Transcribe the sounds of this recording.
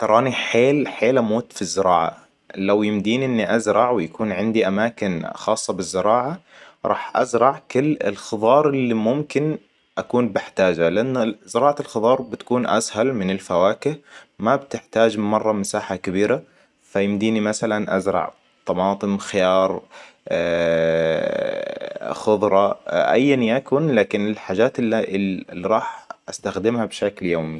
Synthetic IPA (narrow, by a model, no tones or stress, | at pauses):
t̪ɑɾˤɑːniħeːlħeːlʔamoːt̪fizːɪɾˤɑ̰ːʕa̰ | lawjɪmd̪iːniʔɪnːiʔazɾˤɑʕwɪjakuːnʕɪnd̪iʔamaːkɪnxɑːsˤːɑbɪzːɪɾˤɑːʕaɾˤɑ̰ːħʔa̰zɾˤɑʕkʊlːɪ̰lxɨðˤɑːɾˤɪlːimʊmkɪn | ʔakuːnbɪħt̪aːd͡ʒalɪʔanːazɪɾˤɑːʕalxɑd̪ˤɑːɾˤbɪt̪ḁkuːnʔa̰shalmɪnɪlfawaːkɪhmabt̪ɪħt̪aːd͡ʒmɑrˤːɑmasaːħakɪbiːɾa | fajɪmd̪iːnimasalanʔa̰zɾˤɑ̰ʕ | t̪ˤɑmɑːt̪ˤɨmxɪjɑːɾˤ | xʊðˤɾˤɑʔa̰jːanjakʊnlaːkɪnɪlħaːd͡ʒaːt̪ɪlːiɾˤɑːħʔast̪axd̪ɪmhabʃakljoːmi